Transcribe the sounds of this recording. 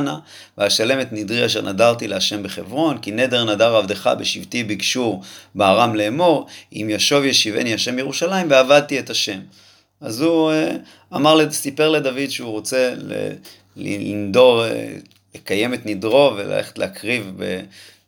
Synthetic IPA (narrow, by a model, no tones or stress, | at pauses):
na | veaʃale̞me̞t̪nidʁiaʃ̬eʁnʔadaʁt̪ileaʃe̞mbeχe̞vʁo̞nkine̞d̪e̞ʁnadaʁavd̪eχa̰beʃivt̪ibikʃuʁbeaʁamleːmo̞ʁḭmjaʃo̞vjeʃivḛniaʃe̞mjeʁuʃalaimveavad̪̚t̪ie̞taʃe̞m | azue | amaʁlesipe̞ʁle̞d̪avid̪ʃeuʁo̞t͡se̞lḛ | lilḭnd̪o̞ʁḛ | lekaje̞me̞t̪nidʁo̞ve̞la̰lḛχe̥t̪lḛːkʁivbḛ